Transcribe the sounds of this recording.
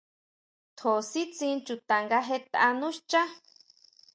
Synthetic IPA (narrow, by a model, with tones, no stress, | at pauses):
t̪ʰo˨si˦t͡sĩ˧nt͡ʃu˨t̪a˨ŋɡa˧˦ɦe˧t̪a˧ʔa˧nũ˦ʃt͡ʃa˦